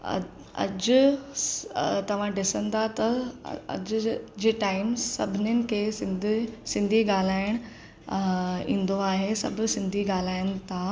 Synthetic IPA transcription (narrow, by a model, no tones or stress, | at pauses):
ɐ̰d͡ʑ | t̪ɐʋ̤ãɖɪsə̃nt̪ʰat̪ɐɐ̰d͡ʑd͡ʑeːʈaːɪmssɐ̰bʱɪnənɪ̆kʰe | sɪ̃nd̪ʱiɡaːl̤aːɪɽ̃ | ḭ̃ːn̆d̪oaːɦesɐ̰bʱsɪ̃nd̪ʱiɡaːl̤aːɪənɪ̆t̪ʰa